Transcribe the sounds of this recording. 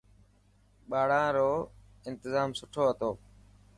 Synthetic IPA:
ɓaːɽãːɾoː | ɪnt̪ɪzaːmsʊʈʰoːɦət̪oː

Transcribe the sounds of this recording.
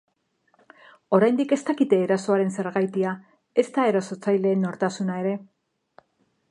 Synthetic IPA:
o̞ɾajnd̪ike̞st̪akit̪eːɾaso̞aɾe̞nse̞ɾɣajt̪ia | e̞st̪ae̞ɾoso̞t͡sajle̞ːno̞ɾt̪asunae̞ɾe̞

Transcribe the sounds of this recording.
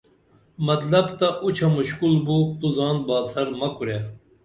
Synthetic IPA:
mɐt̪lɐbt̪ɐʔut͡ɕʰɐmuʃkulbut̪uzɑːnbɑːsɐɾmɐkuɾjaː

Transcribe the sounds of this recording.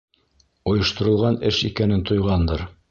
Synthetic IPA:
ŏjɤ̆ʃt̪ŏɾɤ̆lˠʁɑnɘʃikænɘnt̪ŏjʁɑnd̪ɤɾ

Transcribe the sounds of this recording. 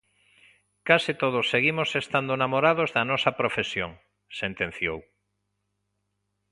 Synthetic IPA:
kasit̪oðosːeɣimosest̪and̪onamoɾaðozðɐnɔsɐpɾofesjoŋ | sent̪ẽn̟θjow

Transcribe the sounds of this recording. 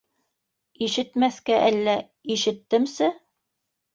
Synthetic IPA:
iʃɘ̆t̪mæθkæʔælːæ | iʃɘ̆t̪ːɘmsɘ

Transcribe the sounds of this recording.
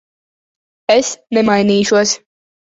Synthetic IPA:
esnɛmajniːʃuɔs

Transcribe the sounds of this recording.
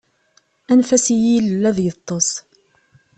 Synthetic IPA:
ænfæsijiləlːæðjət̪ˤːəsˤ

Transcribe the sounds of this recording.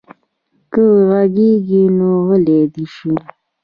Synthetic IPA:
kəwɣaɡeɡinoɣəled̪iʃi

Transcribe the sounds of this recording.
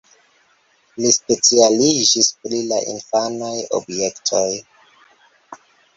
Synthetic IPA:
lispe̞t͡sialid͡ʒispɾilaʔḭnfanajo̰bje̞ktʰo̞j

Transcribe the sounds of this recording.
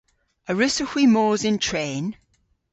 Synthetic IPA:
əɹɪsəxwimɔːzɪ̃ntʰɹ̥ẽːn

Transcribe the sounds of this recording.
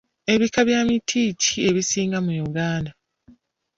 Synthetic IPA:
e̞βikaβjaːmitʰiːcie̞βisiːŋɡamujuɡaːnda

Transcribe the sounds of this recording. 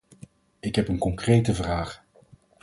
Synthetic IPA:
ɪkɦɛpənkɔŋkrejtəvraːχ

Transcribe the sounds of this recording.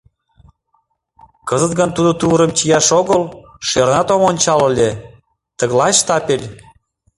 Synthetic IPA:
kɤzə̆t̪ɡənt̪ud̪ot̪uɾə̆mt͡ɕijɑʃoɣəl | ʃernɑt̪omonʲt͡ɕɑlɤ̆lʲe | t̪ə̆ɣlɑʃt̪ɑpelʲ

